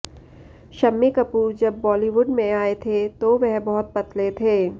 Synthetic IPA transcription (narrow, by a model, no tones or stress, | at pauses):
ʃɐmːikɐpuːɾd͡ʒɐbːɔːliʋʊɖmẽaːet̪ʰet̪oʋɛɦbɐɦʊt̪̚pɐt̪ʰlet̪ʰeː